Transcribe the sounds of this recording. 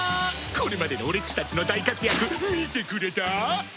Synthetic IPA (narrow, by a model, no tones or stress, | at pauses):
ko̞ɾe̞mad̪e̞nooɾe̞t͡ɕi̥t̪at͡ɕino̞d̪aikat͡sɨjakɯ̟mit̪e̞kɯ̟ɾe̞t̪a